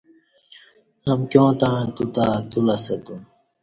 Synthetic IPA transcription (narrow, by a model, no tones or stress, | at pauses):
hɐmkjõːt̪aɻ̃t̪ut̪at̪ulɐsɐt̪u